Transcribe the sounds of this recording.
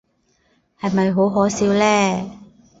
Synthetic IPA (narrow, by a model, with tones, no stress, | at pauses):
hɐ˨jmɐ˨jɦo˨˥wɦɔː˨˥siː˨˥wlɛː˥